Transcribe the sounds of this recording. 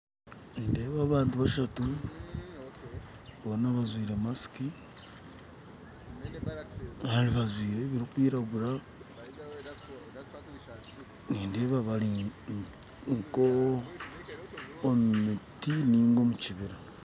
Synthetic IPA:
nde̞ːβaβaːntuβaʃatu | βonaβazwiːɾe̞masi̥ki | haɾiβazwiːɾeβiɾikwiːɾaɡuɾa | niːndeːβaβali | ŋko | mmitiniːŋɡo̞muciβiɾa

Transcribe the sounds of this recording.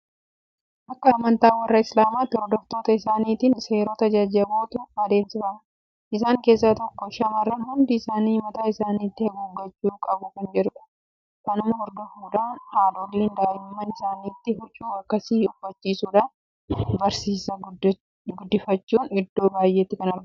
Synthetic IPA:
ʔɐkːɐːmɐnt̪aːwɐrːɐɪslaːmaːt̪ɔɾd̪ɔft̪oːt̪ɐɪsaːniːt̪iːnse̞ːɾoːt̪ɐd͡ʒaːd͡ʒɪɐboːt̪ʊɐd̪e̞ːmsɪbɐʔ | ʔɪs̬aːŋke̞ːs̬ːat̪ɔkːɔʃɐmɐrːɐnhʊnd̪ɪɪsaːniːmɐt̪aːɪsaːniːt̪ːɪhɐɡuːɡːɐt͡ʃːuːkʼɐbʊkɐnd͡ʒɛɾʊᶑɐ̥ | kɐnʊmɐhɔɾd̪ɔfuːᶑ̪aːnhaːd̪oːlːiːnd̪aːjɪmmːɐnɪsaːniːt̪ːɪhʊt͡ʃʼːuːɐkːɐsiːʊfɐt͡ʃːiːsuːᶑa | bɐɾsiːsɐ | ɡʊd̪ːɪfɐt͡ʃːuːnɪd̪ːo̞ːbaːjʔeːt̪ːɪkɐnɐɾɡ

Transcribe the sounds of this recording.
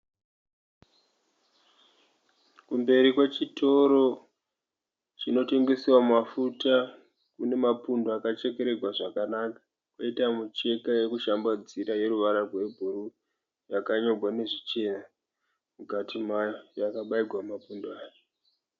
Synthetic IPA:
kumbe̞ɾikwe̞t͡ʃitʰo̞ɾo̞ | t͡ʃino̞te̞ŋɡe̞siwamafuta | kune̞mapundoakat͡ʃe̞ke̞ɾe̞ɡʱwaʐakanakḁ | kwoitamut͡ʃe̞kajekuʃambad͡ziɾaje̞ɾuʋaɾarwe̞bʱuɾu | jakaɲo̞ɡʱwane̞ʐit͡ʃe̞na | mukatʰimajojakaɓaiɡʱwamapundoaːke

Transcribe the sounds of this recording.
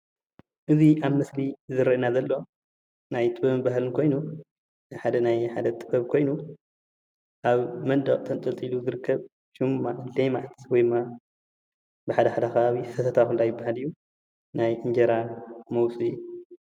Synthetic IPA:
ʔɨziʔaβmɨslizɨɾɐʔnazɐlːo̞ | najt̪ʼɨbɐmbaɦalɨnkʰo̞jnu | ħad̪ɐnajħa̰d̪ɐt̪ʼɨbɐβkʰo̞jnu | ʔaβmɐnd̪ɐχʼt̪ʰɐnt̪ʼɐlt̪ʼiluzɨɾɨkʰːɐβ | ʃɨmːalemaʕt̪wɔjd̪ɨmːa | bɨħad̪ɐħad̪ɐxɐβaβit̪ʰɐt̪ʰɐt̪ʰaxulːajɪbːaɦalijːu | najʔɨnd͡ʒɐɾamɐwsʼi

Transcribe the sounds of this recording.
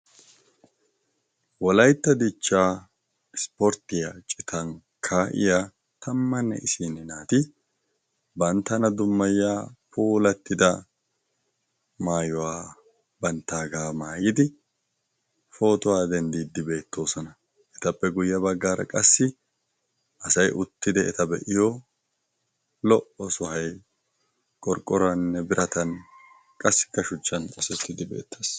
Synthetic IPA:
wɔlɐjt̪ːɐd̪ɪt͡ʃːaː | ɪspɔɾt̪ɪjaːt͡ʃʼɪt̪ʰɐŋ | kʰaʔɪ̰jaː | t̪ɐmːɐnːɛ̰ʔɪsiːnɪnaːt̪ɪ | bɐnt̪ːɐnɐd̪ʊmːɐjaːpuːlɐt̪ːɪd̪ɐ | maːjɔwaː | bɐnt̪ːaːɡaːmaːjɪd̪ɪ | fo̞ːt̪ʊwaːd̪ɛnd̪iːd̪ːɪbe̞ːt̪ːo̞ːsɔnɐ | ʔɛt̪ɐpːɛɡʊjːɐbɐɡːaːɾɐ̰kʼɐsːɪ | ʔɐsɐjʔʊt̪ːɪd̪ɛɛt̪ɐbɛʔɪjo | lɔʔɔsʊhɐj | kʼɔɾkʼːɔɾɐnnːɛbɪɾʔɐt̪ɐn | kʼɐsːɪ̥kːɐʃʊt͡ʃːɐnɔsɛt̪ːɪd̪ɪbe̞̰ːt̪ʰːas

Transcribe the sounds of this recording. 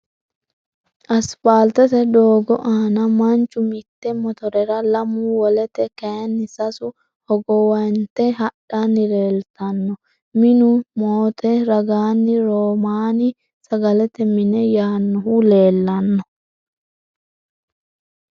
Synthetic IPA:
ʔɐspaːlt̪ɛt̪ɛd̪o̞ːɡɔʔaːnɐmɐnt͡ʃːʊmɪt̪ːɛmɔt̪ɔɾɛɾɐlɐmuːwɔlɛt̪ɛkɐjɐnːɪsɐsʊ | hɔɡɔwɐjnt̪ɛɦɐɗanːɪleːlt̪ɐnːɔ | mɪnʊmoːt̪ʰɛɾɐɡaːnːɪɾoːmaːnɪ | sɐɡɐlɛt̪ɛmɪnɛjaːnːɔhule̞ːlːɐnːɔ

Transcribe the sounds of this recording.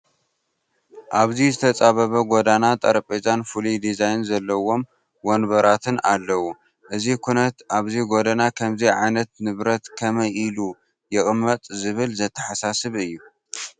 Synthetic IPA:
ʔaβzizɨt̪ʰɐt͡sʼaβɐβɐɡod̪anat̪ʼɐɾpʼet͡ʃʼanfulid̪izajnzɐlːɐwo̞m | wonβɐɾat̪ʰɨnalːɐwu | ʔɨzikʰunɐt̪aβziɡo̞d̪anakʰɐmziʕa̰jnɐt̪̚nɨβɾɐt̪kʰɐmɐjilu | jɪɣʼmːɐt̪ʼzɨβɨlzɐt̪ʰːɐ̥ħasasɨβɨjːu

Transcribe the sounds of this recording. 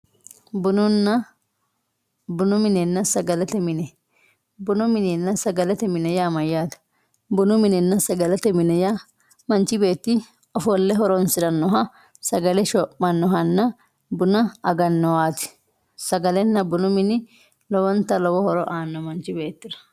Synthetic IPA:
bʊnʊnɐ | bʊnʊmɪnɛnːɐsɐɡɐlɛt̪ɛmɪnɛ | bʊnʊmɪnɛnːɐsɐɡɐlɛt̪ɛmɪnɛjaːmɐjːaːt̪ɐ̥ | bʊnʊmɪnɛnːɐsɐɡɐlɛt̪ɛmɪnɛja | mɐnt͡ʃɪbe̞ːt̪ːɪ | ɔfɔlːɛɦɔɾɔnsɪɾɐnːɔɦɐ | sɐɡɐlɛʃɔpmɐnːɔɦɐnːɐ | bʊnɐɐɡɐnːɔwaːt̪ɪ̥ | sɐɡɐlɛnːɐbʊnʊmɪnɪ | lɔwɔnt̪ɐlɔwɔhɔɾɔʔaːnːɔmɐnt͡ʃɪbe̞ːt̪ːɪɾɐ̥

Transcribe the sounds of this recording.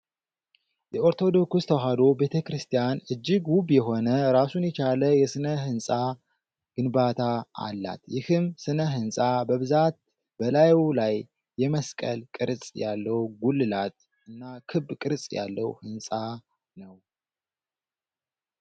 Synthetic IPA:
jɛoɾt̪ʰo̞d̪o̞kust̪ʰəɦad̪o̞be̞t̪ʰəkɾɨst̪ʰijanɨd͡ʒːɪɡwuβjɛɦo̞nəɾasunjɛt͡ʃʰaləjɛsɨnəɦɨnsʼa | ɡ̥ɨnbat̪ʰaa̰lːa̰t̪jɪhɨmsɨnəɦɨnsʼabəβɨzat̪̚ | bəlajwlajː | ɛməskʼə̰lkʼɨɾsʼjalːəwɡulːɨlat̪̚ | ʔɨnːakʰɨbːkʼɨɾsʼja̰lːəwhɨnsʼa | nəw

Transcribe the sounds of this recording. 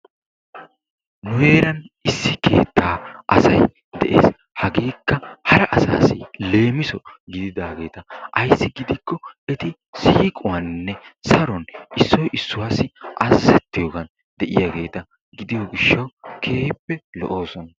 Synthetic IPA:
nʊheːɾɐnɪsːɪkʰe̞̰ːt̪ːaːʔɐsɐj | d̪ɛʔe̞̰ːs | hɐɡiːkːɐhɐɾɐʔɐsa̰ːsɪle̞ːmɪsɔɡɪd̪ɪd̪aːɡe̞ːt̪ɐʔɐjsːɪɡɪd̪ɪkːɔɛt̪ɪ | siːkʼʊwɐnːɛsɐɾɔnʔɪsːɔjʔɪsːʊwaːsɪʔɐzzɛt̪ːɪjɔɡɐn | d̪ɛʔɪjaɡe̞ːt̪ɐ | ɡɪd̪ɪjɔɡɪʃːɐwkʰe̞ːpːɛlɔ̰ʔo̞ːsɔnɐ

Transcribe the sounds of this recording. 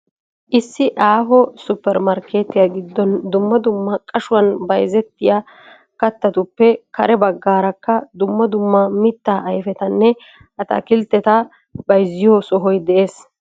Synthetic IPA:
ʔɪsːɪʔaːɦɔsʊpːɛɾmɐɾkeːt̪ːɪjɐɡɪd̪ːɔnd̪ʊmːɐd̪ʊmːɐkʼɐʃʊwɐnbɐjzɛt̪ːɪja | kɐt̪ːɐt̪ʊpːɛkɐɾɛbɐɡːaːɾɐkːɐd̪ʊmːɐd̪ʊmːɐmɪt̪ːaːʔːjfɛt̪ɐnːɛ | ʔɐt̪ɐ̰kɪlt̪ːɛt̪ɐ | bɐjzɪjoːsɔɦɔjd̪ɛʔeːs

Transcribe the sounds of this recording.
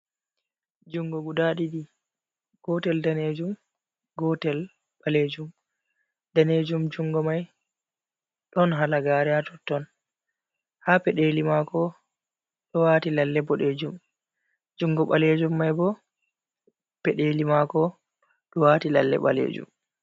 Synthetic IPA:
d͡ʒuŋɡɔɡudaɗiɗi | ɡ̥ɔtɛldaned͡ʒum | ɡɔtɛl | ɓaleːd͡ʒum | d̥aned͡ʒumd͡ʒuŋɡɔmaj | ɗɔnɦalaɡaːɾɛatɔtːɔn | hapɛɗelimakɔ | ɗɔwaːtilalːɛbɔɗed͡ʒum | d͡ʒuŋɡɔɓaled͡ʒumːajbɔ | pɛɗelimakɔ | ɗɔwaːtilalːɛ̰ɓa̰lḛːd͡ʒṵm

